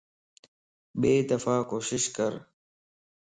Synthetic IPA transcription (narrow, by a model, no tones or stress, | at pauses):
beːd̪ɐfaːkoːɕɪʃkəɾ